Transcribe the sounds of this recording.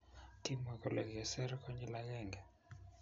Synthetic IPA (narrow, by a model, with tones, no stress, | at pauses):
ti˦mwɛ˨kɔ˨lɛ˨kɛ˨sɛ˦ɾkʰɔ˦ɲd͡ʒɛ˦la˦jɛ˦˨ŋɡɛ˨